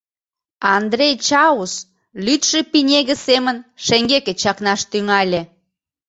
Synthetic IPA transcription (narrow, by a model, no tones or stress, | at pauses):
ɑnd̪ɾejt͡ɕɑus | lyt̪ʃĕpinʲeɣə̆semənʃeŋɡeket͡ɕɑknɑʃt̪yŋɑlʲĕ